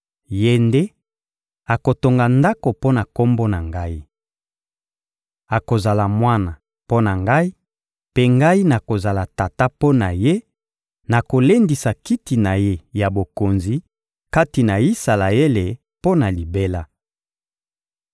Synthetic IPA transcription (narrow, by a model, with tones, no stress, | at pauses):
je˦nde˦ | a˨ko˨to˨ŋɡa˨nda˦ko˨po˦na˨ko˦mbo˦na˨ŋɡa˦i˦ | a˨ko˨za˨la˨mwa˦na˨ | po˦na˨ŋɡa˦i˦ | pe˦ŋɡa˦i˦na˨ko˨za˨la˨ta˨ta˦po˦na˨je˦ | na˨ko˨le˦ndi˨sa˨ki˦ti˨na˨je˦ja˨bo˨ko˨nzi˨ | ka˦ti˨na˨i˦sa˨la˨e˦le˨ | po˦na˨li˨be˦la˦